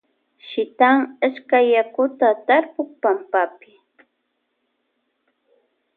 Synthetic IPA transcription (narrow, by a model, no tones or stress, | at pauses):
ʃɪt̪aŋaʃkajakʊt̪at̪aɾpʊχpampapɪ